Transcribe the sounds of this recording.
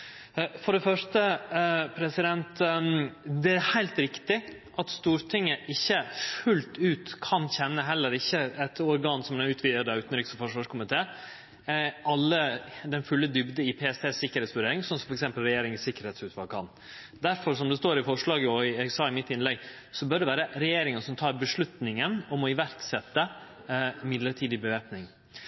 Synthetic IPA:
fɔɖɛfœʂtəpʰɾɛsɪd̪ɛnt̪ | d̪ɛæɾhæɪlt̪ɾɪkt̪ɪ | ʔɑt̪st̪uːɾʈʰɪŋːəʔɪçːəfʉlt̪ʉːt̪kʰɑnçɛnːəɦɛlːəɾɪçːəɛt̪ɔɾɡɑːnsɔmnʉːt̪ʰʋiːd̪əd̪ɑʉːt̪nɾɪːksɔfɔʂʋɑːʂkʰʊmɪt̪ʰeː | ʔɑlːəd̪ɛnfʉlːəd̪ʏbd̪əɪpʰeːɛst̪ʰeːsɪkːəɾhɛːt̪sʋʉɖeːɾɪŋsɔnsɔmfɔɾɛksɛmpəlɾɛjeːɾɪŋəsɪkːəɾheːt̪sʉːt̪ʰʋɑlkʰɑn | d̪æɾfɔɾsɔmd̪ɛst̪oːɾɪfɔʂɭɑːɡəɔɛɡsɑːɪmɪt̪ːɪnlɛɡ | sɔbœɖɛʋæːɾəɾɛjeːɾɪŋənsɔmt̪ʰɑːɾbəʂɭʉt̪nɪŋənɔmɔɪʋæɾksɛt̪ːə | mɪd̪ləʈʰiːd̪ɪbəʋeːpnɪŋ

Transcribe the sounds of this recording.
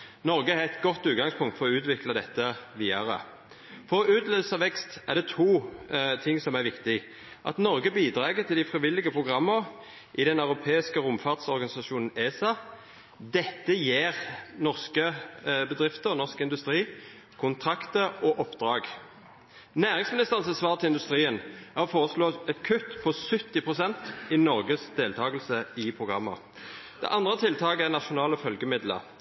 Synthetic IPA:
nɔʁɡəæɾʁɛt̪ɡɔt̪ːʉːt̪̚ɡɑŋspʰʊŋkt̪fɔʁɔʉːt̪ʋɪklɑd̪ɛt̪ːəʋiːɑʁə̰ | fɔʁɔʉːt̪leːl̩səɑʋɛkst̪æʁd̪ɛt̪ʰuːt̪ʰɪŋsɔmæʁʋɪkt̪ɪ | ʔɑ̰t̪nɔʁɡəbiːd̪ʁɑːɡət̪ʰɪld̪æɪfʁɪʋɪlːɪɡəpʰʁʊɡʁɑmːəɾ | ʔɪd̪ɛnɑʉɾʊpʰeːɪskəɾʊmfɑʁd̪sɔʁɡɑnɪsɑʃuːnn̩eːsɑ | d̪ɛt̪ːəjeːʁnɔʁskəbəd̪ʁɪft̪əʁnɔʁskɪnd̪ʉst̪ʁiː | kʰʊnt̪ʰʁɑkt̪əɔʔɔpːd̪ʁɑːɡ | næːʁɪŋsmɪnɪst̪əʁənsɛsʋɑːʁt̪ʰɪɪnd̪ʉst̪ʁiːənæːʁɔfoːʁəsloːɛt̪kʰʉt̪pʰɔsʏt̪ːɪpʰʁʊsɛnt̪ɪnɔʁɡəsd̪eːlt̪ʰɑːɡəlsəɪpʰʁʊɡʁɑmːə̰ | d̪̥ɛ̰ʔɑnd̪ʁət̪ʰɪlt̪ʰɑːɡəæʁnɑʃʊnɑːləfœlɡəmɪd̪lə̰ʁ

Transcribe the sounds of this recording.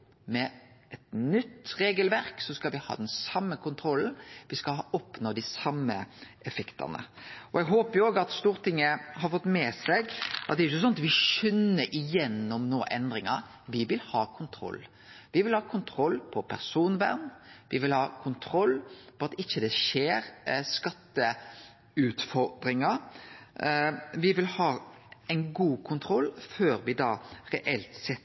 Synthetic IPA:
mɛɛt̪nʏt̪ːɾeːɡəlʋæɾksɔskɑlʋɪhɑ̰ːd̪ɛnsɑmːəkʰʊnt̪ʰɾɔlnʋɪskɑlɑʔɔpnoːd̪ɪsɑmːə̰ɛfɛkt̪ʰɑ̰nə̰ɔɛɡɦoːpəɾjʊoːɡɑt̪st̪uːʁt̪ʰɪŋːəɦɑɾfɔt̪ːmɛːsɛɡʔɑt̪̚d̪ɛɾɪçːəsɔnɑt̪ʋɪʃœnːəɾʔɪjɛnːɔmnoːʔɛnd̪ɾɪŋɑɾ | ʋɪʋɪlhɑːkʰʊnt̪ʰɾɔ̰lː | ʋɪʋɪlhɑːkʰʊnt̪ʰɾɔlːpʰɔpʰæ̰ʁsuːnʋæʁnʋɪʋɪlhɑːkʰʊnt̪ʰɾɔlːpɔɑt̪ɪçːəd̪ɛʃeːɾskɑt̪ːə | ʉːt̪fɔɾd̪ɾɪŋəɾ | ʋɪʋɪlhɑː | æɪnɡuːkʰʊnt̪ʰɾɔlːføːɾʋɪd̪ɑːɾɛʔɛlt̪sɛt̪ː

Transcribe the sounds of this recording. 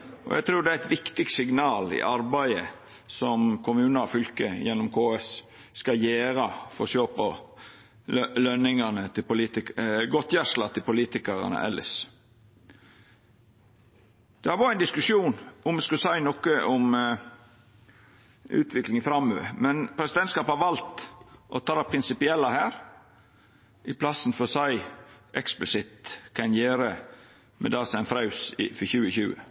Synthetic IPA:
ʔɔ̰jæ̰t̪ʰɾuːd̪ɛææɪt̪ʋɪkt̪ɪk̚t̪sɪɡnɑːlɪ̰ʔɑɾbæɪə̰ | sɔmkʰʊmʉːnəɑfʏlkəjɛnːʊmkʰoːɛs | skɑjeːɾɑfɔsøːpə | lœnɪŋɑnət̪ʰɪlpʊliːt̪ɪkɡɔt̪jæʂlɑt̪ʰɪlpʊliːt̪ɪkəɾɑ̰nə̰ʔɛ̰lːɪ̰s | d̪̥ɛhɑɾʋɑːɾəæɪnd̪ɪskʉʂjuːnʊmɛskʉsæɪnɔkəʔɔm | ʉ̰ːt̪ʰʋɪklɪŋɪfɾɑmːøʋə̰mɛnpʰɾɛsɪd̪ɛnt̪skɑːphɑɾʋɑlt̪ʔɔt̪ʰɑːd̪ɑpʰɾɪnsɪpɪɛlːɑhæːɾ | ʔɪpʰlɑsnfɔsæɪʔɛksplɪsɪt̪kʰɑnjeːɾə | mɛ̰d̪ɑːsæɪnfɾɑʉsɪfɔçʉːəçʉːə

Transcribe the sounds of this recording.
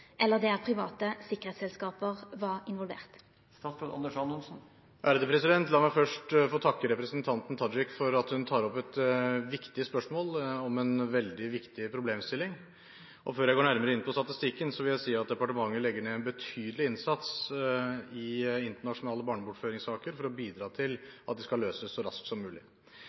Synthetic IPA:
ʔɛlːəʁd̪ɛæʁpʰʁɪʋɑːt̪əsɪkəʁheːt̪sɛlskɑːpəʁʋɑʁɪnʋɔlʋḛːʁt̪ | st̪ɑsʉnɑ̰nd̪əʂɑnʊnsn̩ | ʔæɾd̪ɛpʰɾɛsɪd̪ɛnt̪lɑːmæɪfœʂʈfoːt̪ʰɑkːəɾɛpɾəsənt̪ʰɑnt̪n̩t̪ʰɑd͡ʒɪkfɔɾɑt̪hʉnt̪ʰɑːɾɔpːɛt̪ʋɪkt̪ɪspœʂmoːlɔmɛnʋɛld̪ɪʋɪkt̪ɪpʰɾʊbleːmst̪ɪlːɪŋ | ʔɔføːɾjæɡoːɳæɾməɾəɪnpʰɔst̪ɑt̪ɪst̪ɪkːənsɔʋɪljæɪsiːɑt̪̚d̪ɛpɑʈəmɑŋːəlɛɡːəɳeːɛnbət̪ʰyːd̪əlɪɪnsɑt̪s | ɪɪnt̪əɳɑʂʊnɑːləbɑːɳəbʊʈføːɾɪŋsɑːkəɾfɔɾɔbiːd̪ɾɑːt̪ʰɪlɑt̪̚d̪ɛskɑløːsəsːɔɾɑ̰sksɔmːʉːlɪ̰

